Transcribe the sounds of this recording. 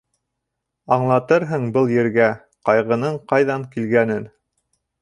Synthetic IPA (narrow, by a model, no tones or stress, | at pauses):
ɑɴlˠɑt̪ɤɾɦɤɴbɤlˠjɘ̆ɾɡæ | qɑjʁɤ̆nɤɴqɑjðɑɴkilɡænɘn